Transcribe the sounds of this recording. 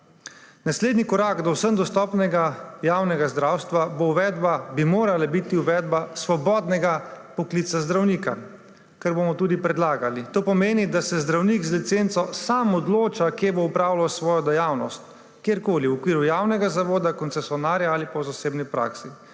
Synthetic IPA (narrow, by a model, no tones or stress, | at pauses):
nasleːd̪nikɔɾaːɡd̪ɔwsənd̪ɔst̪ɔːpnɛɡajaːwnɛɡazd̪ɾawst̪ʋabowʋɛd̪babimoːɾalabit̪iuʋɛd̪basʋɔbɔːd̪nɛɡapɔklit̪sazd̪ɾawniːka̰ | kɛɾbomɔt̪ud̪ipɾɛd̪laːɡalit̪oːpɔmeːnid̪asɛzd̪ɾawnikzlit̪sent̪sɔsamɔd̪loːt͡ʃakjeboupɾawlawsʋɔːjɔd̪ɛjawnɔst̪ | kjeɾkoːliwɔkʋiːɾujawnɛɡazaʋoːd̪akɔnsɛsjɔnaːɾjaalipɔzaseːbnipɾa̰ːksi